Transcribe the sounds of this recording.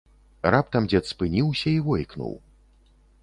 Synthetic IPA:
rap̚t̪ɐmd͡zʲɛt̪spɨnʲiwsʲɐivɔjknṵw

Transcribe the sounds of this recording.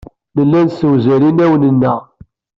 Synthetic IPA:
nəlːænsəwzælinæwənənːæ

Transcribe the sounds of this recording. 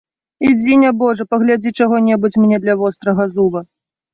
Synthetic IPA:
id͡zʲinʲɐbɔʐɐpɐɣlʲad͡zʲit͡ʂaɣɔnʲɛbut͡sʲmʲnʲɛd̪lʲɐvɔst̪ɾɐɣɐzubɐ

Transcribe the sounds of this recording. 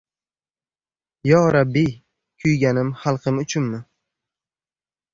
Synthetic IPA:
jɒɾabːi | kʲʰʊjɡʲanɪmχɑlˠqʰɨmʊt͡ʃʰʊnmɪ

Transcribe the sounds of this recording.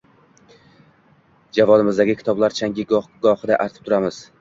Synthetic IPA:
d͡ʒavɒd̪ɪmɪzd̪aɡʲɪkʲʰɪ̥t̪ʰɒblaɾt͡ʃʰaŋɡʲɪɡɡɒhɨd̪aʔaɾt̪ʰɪ̥p̚t̪ʰʊɾamɪz̥

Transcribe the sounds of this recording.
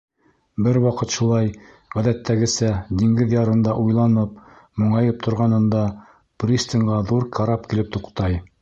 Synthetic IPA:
bɘɾwɑqɤt̪ʃulˠɑj | ʁæðæt̪ʰːæɡɘ̆sæd̪iŋɡɘðjɑɾɤ̆nd̪ɑʔujlˠɑnɤp̚ | mŏɴɑjɤp̚t̪ʰŏɾʁɑnɤ̆nd̪ɑ | prʲist̪ʲiŋʁɑðuɾkʰɑɾɑpkilɘp̚t̪uqt̪ɑj

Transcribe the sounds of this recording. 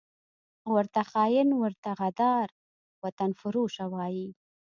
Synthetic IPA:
wəɾt̪axɑjɪnwəɾt̪aɣad̪ɑɾ | wat̪anfʊɾuʃawɑji

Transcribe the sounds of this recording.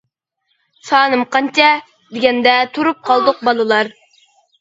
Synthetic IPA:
sɑːnɨmqɑnt͡ʃɛ | d̪ɪɡʲɛnd̪ɛt̪ʰuɾup̚qʰɑlˠd̪ʊq̚bɑlˠɨlˠɑɾ

